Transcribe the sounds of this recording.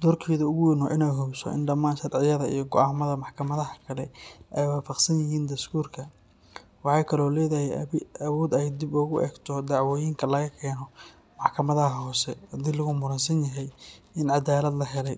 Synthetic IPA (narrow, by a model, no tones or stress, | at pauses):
d̪ɔːrkʰɛːðɐʊɣʊɪnɔʔɪnɛjɦɔbsɔ̰ʔɪ̰nɖɐmaːnʃɐɾʕɪjɐðɐḭjɔɡɔʔaːmɐðɐmɑħkʰɐmɐðɐɦɐkʰɐlɛʔɛjwaːfɑqsɐnjɪɦiːnd̪ɐst̪ʰuːrkʰɐ | wɑħɑjkʰɐlɔːlɛːðɐhɛjɐwuːd̪ɛjd̪ibɔɣʊʔɛ̰ːɡt̪ʰɔd̪ɑʕwɔːjiŋkʰɐlɐɣɐkʰɛːnɔ | mɑħkʰɐmɐðɐɦɐɦɔːsɛd̪ɪlːɐɣʊmʊɾɐnsɐnjɐɦɛjɪnʕɑd̪aːlɐd̪lɐɦɛlɛj